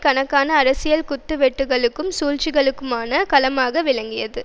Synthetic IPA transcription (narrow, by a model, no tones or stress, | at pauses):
kɐnɐkːaːnɐːɾɐsɪjɐlkʊt̪ːɯʋɛʈːɯɣɐɭɯkːɯmsuːɻt͡ʃɪɣɐɭɯkːɯmaːnɐkɐlɐmaːɣɐʋɪlɐŋɡɪjɐðɯ